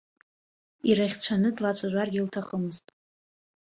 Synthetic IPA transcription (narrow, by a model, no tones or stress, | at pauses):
iɾaχʲt͡ɕʷʰanɨdlat͡sʷʼaʒʷarɡʲiltʰaχəmɨztʼ